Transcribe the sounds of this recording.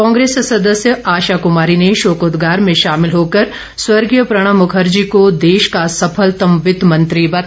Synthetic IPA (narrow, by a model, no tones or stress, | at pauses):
kɔ̃ːŋɡɾeːssɐd̪əsjəaːʃaːkʊmaːɾineʃoːkoːd̪ɡaːɾmẽʃaːmɪlɦoːkɐɾ | swɐɾɡjəpɾɐɽ̃ãmʊkʰəɾd͡ʒikod̪eːʃkasɐpʰəlt̪ɐmʋɪt̪mɐ̃nt̪ɾibɐt̪